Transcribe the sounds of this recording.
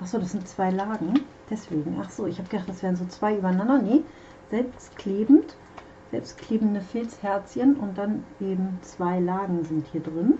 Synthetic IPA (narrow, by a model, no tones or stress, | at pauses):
ʔaχz̥oːdasz̥ɪntt͡sv̥aɪlaːɡŋ̩ | d̥ɛsv̥eːɡŋ̩ʔaχz̥oːɪçhaːbəɡədaχt̚d̥asv̥eːʁənzoːt͡sv̥aɪʔyːbɐnandɐnə | z̥ɛlpstkʰl̥eːbm̩t | z̥ɛlpstkʰl̥eːbm̩dəfɪlshɛɐt͡sçənʔʊnt̚d̥anʔeːbm̩t͡sv̥aɪlaːɡŋ̩zɪnthiːɐdʁɪn